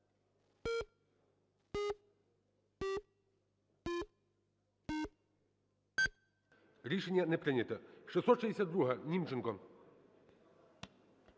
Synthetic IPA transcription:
ɾʲiʂɛnʲːɐnɛpɾɪnʲɐt̪ɐʂɨsɔt̪ʃɛdʲɪsʲad̪d̪ɾuɦɐnʲimt͡ʃɪnkɔ

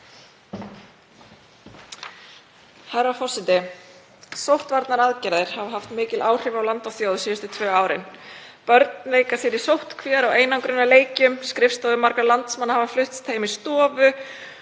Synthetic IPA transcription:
haɾafɔr̥sɛt̪ɪ | sowht̪vaɾt̪naɾaðcɛɾðɪɾ̥havaɦaft̪mɪːcɪlʔaːwr̥ɪvawlant̪awθjowðsiːjʏst̪ʏt̪ʰvœːaːwɾɪ̰n | pœɾt̪nleːjkasjɛɾisowht̪kʰvɛːɾaweːjnawkɾʏnːaleːjcʏmskɾɪfst̪aːwðʏmaɾkalant̪smanːahavaflʏht̪st̪ʰejmɪst̪ɔːvʏ

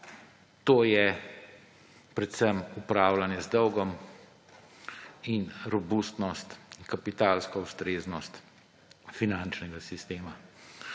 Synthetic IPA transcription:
t̪oːjɛ | pɾɛt̪səmupɾaːwlanjɛzd̪ɔwɡɔm | inɾɔbust̪nɔst̪kapit̪aːlskɔust̪ɾeːznɔst̪ | finant͡ʃnɛɡasist̪eːma

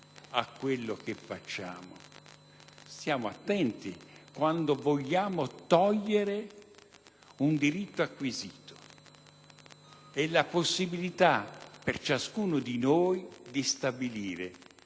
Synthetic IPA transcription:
akːwelːokefːat͡ʃːa̰ːmo̰ | sjaːmoat̪ːɛnt̪ikwand̪ovoʎːaːmot̪ɔʎːeɾe | und̪iɾit̪ːoakːwiziːt̪o̥ | ɛlːaposːibilit̪apert͡ʃaskuːnod̪inoːjd̪ist̪abiliːɾe

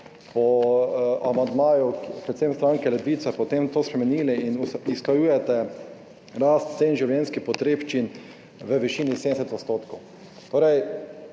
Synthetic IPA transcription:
pɔ | amand̪maːjupɾɛt̪semst̪ɾaŋkɛlɛd̪ʋiːt̪sɛpɔt̪emt̪oːspɾɛmɛniːliinisklajuːjɛt̪ɛ | ɾast̪senʒiwljɛnskixpɔt̪ɾeːpt͡ʃin | ʋəʋiʃiːnised̪ɛsɛt̪ɔt̪st̪oːt̪kɔw | t̪oːɾɛj

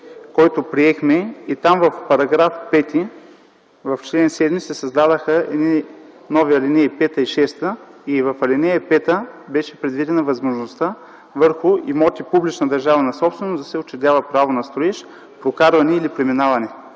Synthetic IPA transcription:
kɔjt̪opɾiɛxmɛit̪amvɐfpɐɾɐɡɾafpɛt̪i | vɐft͡ʃlɛnsɛd̪misɛsɐzd̪ad̪əxəɛ̰d̪nʲi | nɔviɐlinɛjipɛt̪əiʃɛst̪əivɐfɐlʲinɛjɐpɛt̪əbɛʃɛ̥pɾɛd̪vid̪ɛnɐvɐzmoʒnost̪a | vɤɾxʊimɔt̪ipublit͡ʃnəd̪ɐɾʒavɐnɐsɔpsvɛnosd̪ɐsɛot͡ʃɛd̪ʲavɐpɾavonɐst̪ɾoɛʃ | pɾokaɾvɐnɛilipɾɛminavɐnɛ

